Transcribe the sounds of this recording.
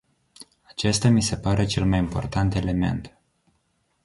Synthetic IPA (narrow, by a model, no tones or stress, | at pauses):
at͡ʃe̞st̪ʲamise̞paɾet͡ʃe̞lmajimpo̞̰rt̪ant̪e̞le̞me̞̰nt̪